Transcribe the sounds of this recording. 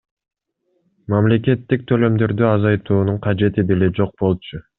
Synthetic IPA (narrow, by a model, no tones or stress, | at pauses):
mamle̞kʲe̞t̪ːik̚t̪ʰø̞lø̞md̪ø̞ɾd̪yɑzɑjt̪uːnuɴqʰɑd͡ʒe̞t̪id̪ele̞d͡ʒo̞q̚bo̞lˠt͡ʃʰʊ